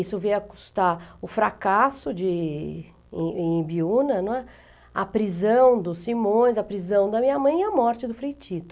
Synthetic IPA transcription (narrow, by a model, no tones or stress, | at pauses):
isʊvejɐku̥st̪aʊfɾakasʊd͡ʒɪ̰̃ | ẽbiunɐnũɛ | ɐpɾizɐ̃w̃d̪ʊsimõj̃zɐpɾizɐ̃w̃d̪ɐmĩɲɐmɐ̃j̃iɐmɔɾt͡ʃɪd̪ʊfɾejt͡ʃit̪ʊ̥